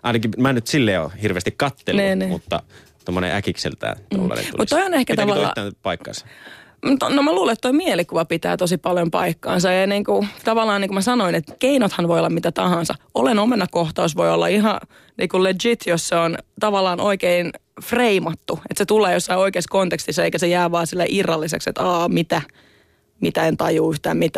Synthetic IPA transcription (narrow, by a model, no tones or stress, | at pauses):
ʔɑinɑkimænyt̪silːejo̰hirʋeːst̪ikkɑt̪ːelniːniːmṵt̪ːɑ̰ | t̪omːonḛʔækiksḛlt̪æ̰ːto̰lːɑ̰lḛṵmut̪t̪ːojonehkæt̪ɑʋɑlɑ̰ænpɑikːɑ̰nsɑ̥mut̪nomæluːlet̪t̪ːoimielikuʋɑpit̪æ̰ːt̪osipɑljompɑ̰ikːɑ̰ːnsɑɑniːŋkut̪ɑʋɑlːˑɑːniːŋkumæsɑnoinet̪keinot̪hɑnʋojolːɑmit̪æt̪ɑhɑ̃nsɑ̰olenomenːɑkkoht̪ɑosʋoiolːɑ̰iɦɑ | niːkuled͡ʒit̪josseont̪ɑʋɑlːɑːnʔoikein | freimɑt̪ːuet̪set̪uleːjosːɑioikeiskont̪ekst̪isːɑeikæsejæːʋɑːsilːeʔirːɑlːisḛksḛt̪ɑːmit̪æ | mit̪æent̪ɑjuːyht̪æ̰ːmmit̪æ